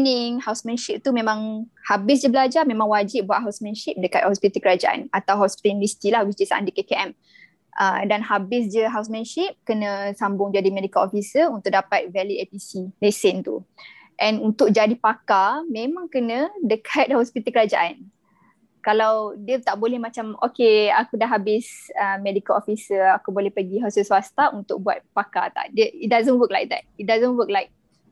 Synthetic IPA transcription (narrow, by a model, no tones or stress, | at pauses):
nɪŋhawsmə̃nʃip̚t̪umẽmãŋhabɪs̬d͡ʒəbəlad͡ʒamẽmãŋwad͡ʒɪp̚buaʔ̪̚ɦawsmɛ̃nʃip̚dəkat̪̚hɔspit̪əlkəɾad͡ʒaʔa̰nat̪awɦɔspi̥t̪əlndəsi̥t̪ilahɡisd͡ʒisa̰ʔa̰ndikekeʔɛm | ʔədanɦabɪs̬d͡ʒəɦaws̬mə̃nʃip̚kənə̃sambʊŋd͡ʒadimedikalofisəunt̪ʊʔ̚dapat̪̚vɛliepisilesɪnt̪ṵ | ʔɛ̃nunt̪ʊk̚d͡ʒadipakamẽmãŋkənə̃dəkʰat̪̚hɔspit̪əlkəɾad͡ʒa̰ʔan | kalawdiət̪aʔbolɛhmãt͡ʃamokeakudaʔɦabɪsəmɛdikəlofisəakubolɛhpəɡiɦasəswast̪aʔunt̪ʊk̚bua̰t̪̚paka̰t̪a̰ʔdəit̚dazə̃nwək̚la̰jk̚d̪ɛ̰t̚it̚dazə̃nwək̚lajk̚